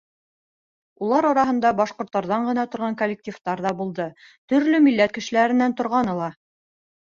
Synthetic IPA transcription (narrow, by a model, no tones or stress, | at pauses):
ulˠɑɾɒɾɑɦɤ̆nd̪ɑbɑʃqŏɾt̪ːɑɾðɑɴɢɤ̆nɑt̪ŏɾʁɑŋkolʲːek̚tʲift̪ɑɾðɑbulˠd̪ɤ | t̪ɵ̆ɾlɵmilːæt̪̚kɘ̆ʃɘ̆læɾɘ̆nːænt̪ŏɾʁɑnɤ̆lˠɑ